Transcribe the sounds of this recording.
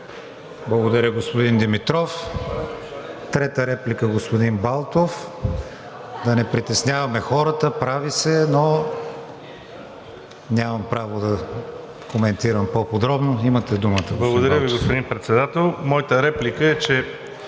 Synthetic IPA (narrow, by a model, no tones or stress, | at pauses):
blˠɐɡod̪ɐɾʲəɡospod̪ind̪imit̪ɾɔf | t̪ɾɛt̪əɾɛplikəɡospod̪inbalˠt̪of | d̪ɐnɛpɾit̪ɛsnʲjavɐmɛxɔɾət̪əpɾavisɛno | nʲamɐmpɾavod̪ɐ | komɛnt̪iɾəmpopod̪ɾɔbnoimət̪ɛd̪umət̪əɡoblˠɐsɡod̪ɐɾjəviɡospod̪inpɾɛt̪sɛd̪at̪ɛlˠmɔjət̪əɾɛplikəɛt͡ʃɛ